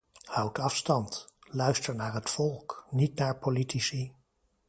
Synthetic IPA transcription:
hʌwtʰɑfstɑntlœɥstəɹnaːɹɦətfɔlˠknitnaːɹpolitisi

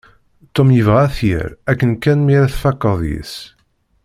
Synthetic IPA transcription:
t̪ːomjəvʁæθjə̰ɾækːənkænmiɾæθfɑkːəðˤjḭs

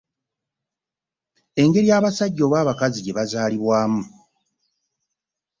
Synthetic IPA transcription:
e̞ŋɡe̞ɾijaːβasaɟːo̞ːβaːβakaziɟe̞βazaːliβwaːmu

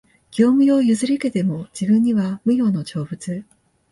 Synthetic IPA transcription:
ɡ̥ʲo̞ːmɯ̟jo̞jɯzɨɾʲike̞t̪e̞mo̞d͡ʑibɯ̟̃ɲ̟ːiβamɯ̟jo̞ːno̞t͡ɕo̞ːbɯ̟t͡sɨ

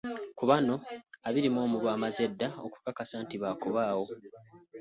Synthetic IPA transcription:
kuβano̞aβiɾimo̞ːmuβwaːmazedːao̰ku̥kakasantiβaːkoβaːwo̞

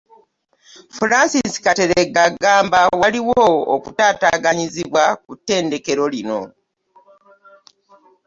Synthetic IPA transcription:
fuɾasisi̥kate̞ɾeɡaɡaːmbawaliwoo̰kutaːtaːɡaɲiziβwakutːe̞ːnde̞ke̞ɾo̞lino̞̰

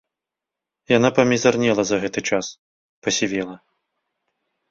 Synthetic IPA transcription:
janapɐmʲizarnʲɛlˠɐzɐɣɛt̪ɨt͡ʂas | pɐsʲivʲɛlˠɐ

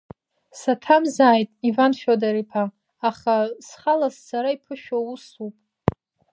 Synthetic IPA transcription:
satʰamzaːjtʼivanʃᶣodaɾipʰaː | χasχalasːaɾaipʰɨʃᶣausupʼ

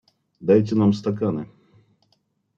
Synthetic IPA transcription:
d̪ajt̬ʲɪnamst̪ɐkanɨ̰

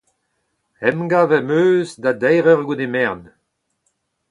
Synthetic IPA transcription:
ɛmɡavɛmøːzd̪ad̪ɛjʁœʁɡudemɛʁn

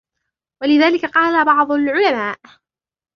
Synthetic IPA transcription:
walɪðaːlɪkaqɑːlabɑʕd̪ˤʊlʕʊlamaːʔ

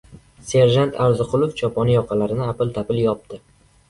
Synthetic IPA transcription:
se̞ɾʒant̪ʰaɾzʊqʰʊlˠoft͡ʃʰɒpʰɒnɪjɒqʰɑlaɾɪnɪapɪlt̪ʰapɪljɒp̚t̪ɪ

